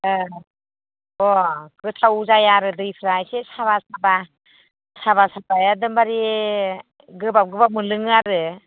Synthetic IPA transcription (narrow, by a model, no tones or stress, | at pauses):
ɔkɯtʰawzajaɾɯdɯjpʰɾajsesaβasaba | sabasapajadɯmbaɾi | ɡɯbap̚ɡɯbamɯlɯŋaɾɯ